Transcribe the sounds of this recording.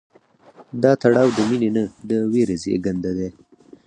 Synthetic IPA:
d̪ɑt̪aɽɑwd̪əminenəd̪əweɾezḛɡand̪ad̪e

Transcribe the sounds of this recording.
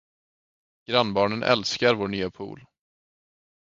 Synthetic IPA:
ɡ̥ɾanːbɑːɳənʔɛ̰lskaɾvoːɳyːapʰṵːl

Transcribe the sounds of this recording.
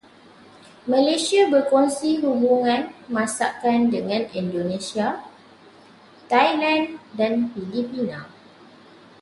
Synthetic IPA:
mə̃lesiabəkonsiɦubuŋãnmãsakandəŋãnĩndonesia | t̪ajlãndanfilipinã

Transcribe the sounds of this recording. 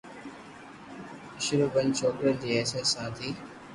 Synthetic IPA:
ɪʃɾuːbənt͡ʃʰoːkɾəɾd͡ʑiːeːseːsːãːt̪ʰiː

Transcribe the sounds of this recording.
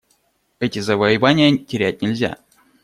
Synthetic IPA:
ɛtʲɪzəvəjɪvanʲɪjətʲɪɾʲæt̚ʲnʲɪlʲzʲa̰

